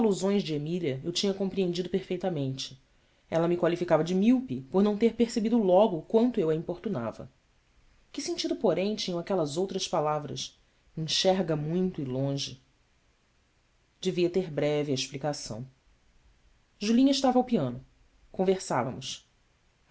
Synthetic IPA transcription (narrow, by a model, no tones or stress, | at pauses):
aluzõj̃zd͡ʒɪemiliɐewt͡ʃĩɲɐkõpɾiẽnd͡ʒid̪ʊpeɾfejt̪ɐmẽnt͡ʃɪ̥ | ɛlɐmɪkwalifikavɐd͡ʒɪmiwpipoɾnɐ̃w̃t̪eɾpeɾsebid̪ʊlɔɡʊkwɐ̃nt̪ʊewɐĩpoɾt̪una̰vɐ̰ | kɪsẽt͡ʃid̪ʊpoɾẽj̃t͡ʃĩɲɐ̃w̃akɛlɐzowt̪ɾɐspalavɾɐ̰s | ĩʃɛɾɡɐmũj̃t̪ʊɪlõʒɪ̰ | d͡ʒɪviɐt̪eɾbɾɛviɐeʃplikasɐ̰̃w̃ | ʒulĩɲɐɪʃt̪avawpiɐ̃nʊ | kõveɾsavɐ̰mʊs